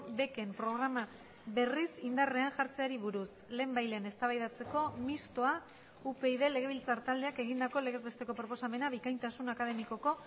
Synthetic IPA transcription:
be̞ke̞mpɾo̞ɣ̞ɾama | βe̞risind̪are̞anʝaɾt͡se̞aɾiβ̞uɾusle̞ːmbajlene̞st̪aβajðat͡se̞ko̞mist̪oa | upe̞iðe̞le̞ɣ̞e̞β̞ilt͡saɾt̪ald̪eake̞ɣind̪ako̞le̞ɣezβe̞st̪e̞ko̞pɾo̞po̞same̞naβikajnt̪asunakað̞e̞miko̞ko̞

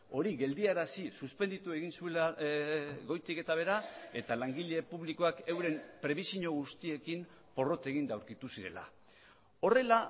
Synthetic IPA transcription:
o̞ɾiɣe̞ld̪iaɾasisuspend̪it̪ue̞ɣinsuela | ɣo̞jt̪ike̞t̪aβ̞e̞ɾae̞t̪alaŋɡiʎe̞puβliko̞ake̞wɾe̞mpɾe̞βisiɲo̞ɣ̞ust̪ie̞kim | po̞ro̞t̪e̞ɣ̞ind̪awɾkit̪usiɾe̞̰la̰ | o̞re̞la

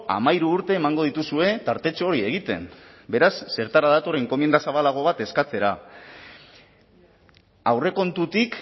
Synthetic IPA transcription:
a̰majɾuːɾt̪e̞ːmaŋɡo̞ð̞it̪usue̞t̪aɾt̪e̞t͡ʃooːɾie̞ɣ̞it̪e̞̰mbe̞ɾasːe̞ɾt̪aɾaðat̪oɾe̞ŋko̞mjend̪asaβalaɣ̞o̞βat̪e̞skat͡se̞ɾa | awre̞ko̞nt̪ut̪ik

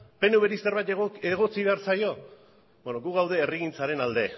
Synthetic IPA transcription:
pe̞nuβe̞ɾiserβajt̪eɣ̞o̞t͡siβe̞aɾt͡sajo̞ | benoɡuɣawð̞e̞ːriɣint͡saɾe̞nald̪e̞

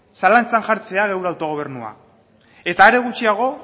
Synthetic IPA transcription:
salant͡sanʝaɾt͡se̞aɣewɾawt̪o̞ɣ̞o̞β̞e̞rnua̰ | e̞t̪aːɾe̞ɣ̞ut͡ʃiaɣ̞o̞

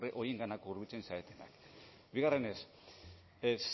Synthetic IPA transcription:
reʔo̞je̞ŋɡanakouɾβit͡se̞nsaet̪ena̰k | biɣare̞ne̞s | s

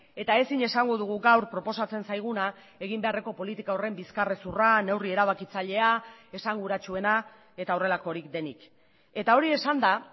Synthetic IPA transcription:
e̞t̪ae̞siɲe̞saŋɡo̞ðuɣ̞uɡawɾpɾo̞po̞sat͡se̞nsajɣ̞una | e̞ɣimbe̞are̞ko̞po̞lit̪ikao̞re̞mbiskare̞surane̞wrie̞ɾaβ̞akit͡saʎe̞ae̞saŋɡuɾat͡ʃue̞na | e̞t̪aore̞lako̞ɾikd̪e̞nḭk | e̞t̪ao̞ɾie̞sand̪a

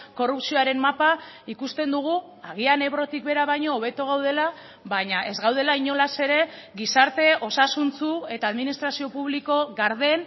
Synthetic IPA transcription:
ko̞rupsio̞aɾe̞mmapa | ikust̪e̞nd̪uɣ̞u | aɣ̞iane̞βɾo̞t̪ikβe̞ɾaβ̞ajɲo̞ːβ̞e̞t̪oɣ̞awð̞e̞la | βaɲaʔe̞zɣawð̞e̞laiɲo̞lase̞ɾe̞ | ɣisaɾt̪e̞ʔo̞sasunt͡sue̞t̪aːðminist̪ɾasio̞puβliko̞ɣaɾð̞e̞n

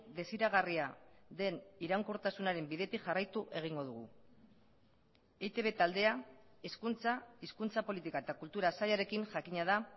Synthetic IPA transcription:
d̪e̞siɾaɣ̞ariaðe̞niɾaŋkoɾt̪asunaɾe̞mbiðe̞t̪iʝarajt̪uʔe̞ɣ̞iŋɡo̞ð̞uɣ̞u | et̪e̞βe̞t̪ald̪e̞aeskunt͡saiskunt͡sapo̞lit̪ikae̞t̪akult̪uɾasaʎaɾe̞kiŋʝakiɲað̞a

